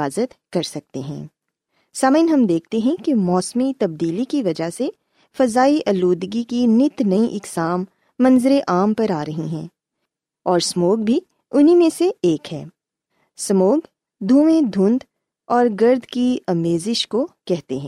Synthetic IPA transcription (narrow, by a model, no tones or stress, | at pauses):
aːzət̪kɐɾsɐk̚t̪eɦɛ̰̃ː | saməɪnɦɐmd̪eːkʰt̪eɦɛ̃kemɔːsmit̪ɐb̚d̪iːlikiʋɐd͡ʒaɦse | fɐzaːiʔɐluːd̪ɡikinɪt̪nɐĩʔɪksaːmː | ɐ̃nzɪɾeʔaːmpɐɾaːɾɐɦiɦɛ̰̃ː | ɔːɾsmoːk̚bʱi | ʊnɦimẽseeːkɦɛ̰ː | sɐmoːk | d̪ʱuːʋẽd̪ʱʊ̃nd̪ | ɔːɾɡɐɾd̪ʱkiɐmeːzɪʃkokɛɦt̪eɦɛ̃ː